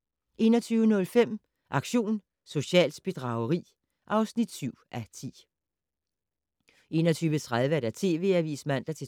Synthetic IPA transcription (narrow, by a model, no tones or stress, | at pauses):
ʔe̝̰ːnɐt͡sʰyːʊənɔ̽lfem̰ | ʔɑ̈ɡ̥ɕo̝̰ːn | so̝ɕɛ̰ːl̥sb̥e̝d̥ʁɑ̈ʊəʁḭː | ʔɑ̈ʊsnid̥syʊ̰ʔæt͡sʰḭː | ʔe̝ːnɐt͡sʰyːʋət͡sʰʁað̞ˠʋəæɾ̥æt͡sʰe̝̰ːʋe̝̰ːæʋḭːsmæn̰d̥ɐt͡sʰe